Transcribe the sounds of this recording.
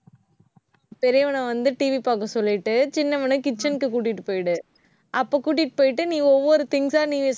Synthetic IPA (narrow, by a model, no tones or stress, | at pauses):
pɛɾɐjɐʋɐnɐ̃ʋɐnd̪ɯʈiːʋipaːkɐ̃sɔlːɪʈːɯt͡ʃɪnːɐmɐnɯkɪt͡ʃːɐnkːɯkuːʈ̬ːɪʈːɯpoːjɪɽɯ | ʔɐpːoːkuːʈ̬ːɪʈːɯ̥poːjɪʈ̬ːɯnĩːɡɔʋːoːɾɯt̪ɪŋɡsaːniːʋes